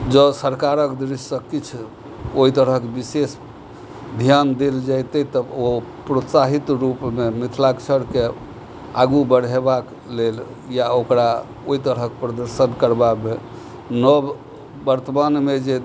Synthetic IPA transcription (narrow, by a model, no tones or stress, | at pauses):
d͡ʒəsəɾkaɾəkd̪ɾisːəkit͡ʃʰ | oɦit̪əɾəkebises | d̪ʱjand̪eld͡ʒajt̪ɛt̪əopɾot̪saɦit̪ɾupmemit̪ʰlakt͡ʃʰəɽke | aɡubəɽ̤ebak | lel | jaokɾa | oit̪əɾɦəkepɾəd̪əɾsənkəɾbabe | nɔbː | əɾt̪əmanmed͡ʒe